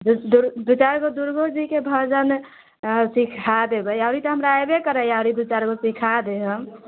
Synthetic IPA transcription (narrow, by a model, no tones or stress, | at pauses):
d̪d̪uɾbit͡ʃaɾɡod̪uɾɡod͡ʒikebʱəd͡ʒən | sikʰad̪ebəaʊɾit̪əɦəmɾajbekəɾəjaʊɾibit͡ʃaɾɡosikʰad̪eɦəm